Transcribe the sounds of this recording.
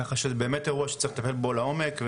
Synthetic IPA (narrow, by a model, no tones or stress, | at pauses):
aχaʃezebe̞ːmeteʁuaʃe̥t͡saiχt̪afelbo̞lao̞me̞kv